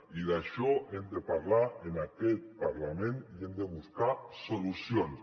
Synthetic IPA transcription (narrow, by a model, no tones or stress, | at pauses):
iðaʃoend̪epaɾlaenakelpaɾlamẽniend̪eβuskasolusjon